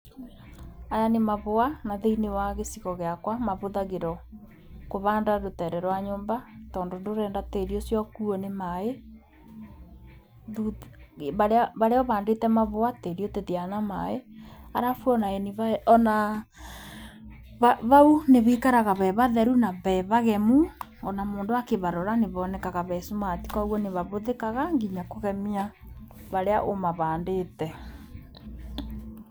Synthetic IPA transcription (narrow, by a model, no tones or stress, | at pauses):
aɾanemaβoanaðeinewaɣesiɣɔɣeakwamaβoðaɣeɾɔ | koβandaɾotɛɾɛɾwaɲoːmbatɔːndondoɾɛːndateɾiosjɔkuɔnemae | ðuβaɾaβaɾeɔβaːndetɛmaβoateɾioteðianamaeaɾafwɔnaeniβaɔna | βaβauneβekaɾaɣaβɛβaðɛɾunaβɛβaɣɛmu | ɔnamoːndoakeβaɾɔɾaneβɔːnɛkaɣaβɛsumati̥kɔɣwɔneβaβoðekaɣaŋɡiɲakoɣɛmiaβaɾeaʔomaβaːndetɛ